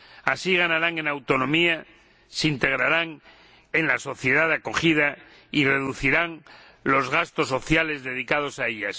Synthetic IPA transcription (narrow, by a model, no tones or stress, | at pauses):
asiɣ̞anaɾaŋe̞nawt̪o̞nõmia | seint̪e̞ɣɾaɾaŋ | e̞nlaso̞θje̞ð̞aðako̞xið̞a | ire̞ðuθiɾaŋ | lo̞zɣast̪o̞so̞θjale̞zðe̞ð̞ikað̞o̞saeʎas